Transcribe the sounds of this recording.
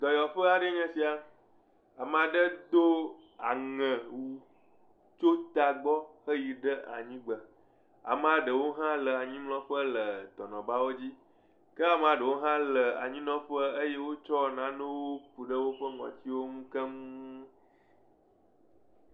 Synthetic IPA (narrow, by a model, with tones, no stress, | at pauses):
d̪ɔ˨jɔ˨ɸə˦a˨ɖə˦ɲɛ̃˦si˨a˨ | a˨mə̃˨a˨ɖə˦d̪o˦ | a˨ŋɛ̃˨wu˨ | t͡ʃo˦t̪a˨ɡ͡bɔ˦xə˦ji˨ɖə˦a̰˨ɲĩ˦ɡ͡bə˨ | a̰˨mə̃˨a˨ɖə˨wo˦ɦã˦lə˨a˨ɲĩ˦mlɔ̃˦ɸə˦lə˨t̪ɔ˨nɔ̃˨ba˦wo˦d͡ʑi˦ | kə˦a˨m˨a˨ɖə˨wo˦ɦã˦lə˨a̰˨ɲĩ˦nɔ̃˦ɸə˦ə˦je˦wo˦t͡ʃɔ˦˨nã˦nõ˦wo˦ɸu˨ɖə˦wo˦ɸə˦ŋɔ̰̃˨t͡ɕi˦wo˦ŋũ˦kə˦ŋũ˦